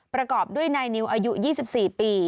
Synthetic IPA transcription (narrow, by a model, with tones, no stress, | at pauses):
pɾa˧kɔː˨˩p̚du˥˩əjnaː˧jni˧˦˥wʔaː˧ju˦˥jiː˥˩si˨˩p̚siː˨˩piː˧